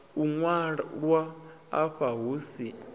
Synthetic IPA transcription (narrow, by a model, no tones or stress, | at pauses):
uŋwaɺwa̰ː | ɸaɦuːsi